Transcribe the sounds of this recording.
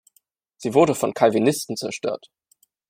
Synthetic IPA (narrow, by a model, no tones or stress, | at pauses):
z̥iːvʊɐdəfɔnkʰalvinɪstn̩t͡sɛɐʃtø̰ːɐt